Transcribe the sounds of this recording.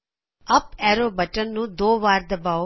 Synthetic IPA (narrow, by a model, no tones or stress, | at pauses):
ɐpɛːɾoːbɐʈɐnːud̪oːʋaːɾd̪ɐbaː